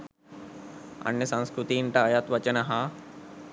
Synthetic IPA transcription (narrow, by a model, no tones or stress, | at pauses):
ɐ̰njɐsɐ̃nskɾut̪iɳʈɐːjat̪ʋɐt͡ʃɐnɐɦa